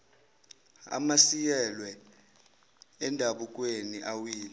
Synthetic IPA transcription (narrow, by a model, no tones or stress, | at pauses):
a̰masijɛlwɛ | ɛndʱaɓuk̬ʼweniʔawiːlɛ